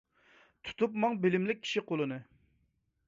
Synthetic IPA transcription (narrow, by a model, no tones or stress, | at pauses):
t̪ʰu̥t̪upmɑŋbɪlɪmlɪk̚ʲʰːi̥ʃiqʰolˠɨnɨ